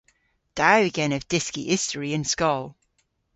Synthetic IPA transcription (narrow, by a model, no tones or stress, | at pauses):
d̥aɪɡɛ̃nəvd̥ɪskḭʔɪstəɹiə̃nskɔlˠ